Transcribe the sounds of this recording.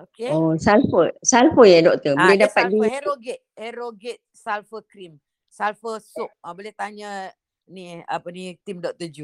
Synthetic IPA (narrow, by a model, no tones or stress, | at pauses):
okeosalfəsalfəjadɔk̚t̪əolɛdapat̪̚dioɡɛt̪̚heɾoɡɛt̪̚salfəkɾim | salfəsup̚bolɛht̪aɲə̃ | niapənit̪imdɔk̚t̪əd͡ʒu